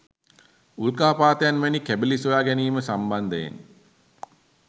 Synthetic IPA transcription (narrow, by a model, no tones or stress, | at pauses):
ulkaːpaːt̪əjanʋænikæbelisojaːɡæniːməsamband̪əjḛn